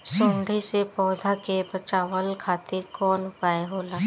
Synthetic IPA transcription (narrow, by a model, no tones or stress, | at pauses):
sõːɳɖʱisepɔːd̪ʱakebət͡ʃaːwəlkʰaːt̪ɪɾkɔːnʊpaːeɦoːlaː